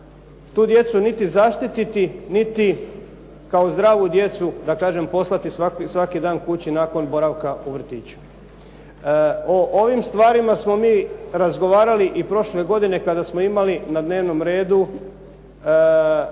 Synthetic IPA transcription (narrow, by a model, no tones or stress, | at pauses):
t̪uːd̪je̞t̪sunit̪izaʃt̪it̪it̪init̪i | kao̞zd̪ɾaːʋud̪je̞t̪sud̪akaːʒe̞mpo̞slˠat̪isaksʋakid̪aːnkut͡ɕinaːko̞nbo̞ɾaʋkauʋr̩t̪iːt͡ɕu̥ | oʔoʋimst̪ʋaːɾimasmo̞miːɾazɡo̞ʋaːɾaliʔipɾo̞ʃle̞ɡo̞d̪ine̞kad̪asmo̞imalinad̪ne̞ːʋno̞mɾe̞ːd̪u